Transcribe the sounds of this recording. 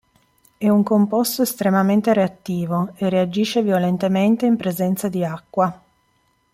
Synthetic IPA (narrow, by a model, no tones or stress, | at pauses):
ɛuŋkompɔst̪oest̪ɾemament̪eɾeat̪ːiːvoeread͡ʒiːʃːevjolent̪ement̪eimpɾezɛnt̪sad̪iakːwa